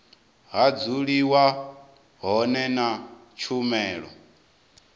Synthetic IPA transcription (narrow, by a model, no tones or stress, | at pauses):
ɦad͡zuɺiwa | ɦɔnɛnat͡ʃʰumɛːɺɔ̰